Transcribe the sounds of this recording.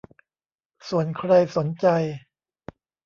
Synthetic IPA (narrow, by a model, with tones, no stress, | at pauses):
su˨˩ənkʰɾa˧jso˩˦nt͡ɕa˧j